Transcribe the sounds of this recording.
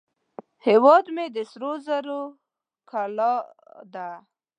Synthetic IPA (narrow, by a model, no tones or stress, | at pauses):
hewɑd̪med̪əsɾozaɾo | kʰalɑ | d̪a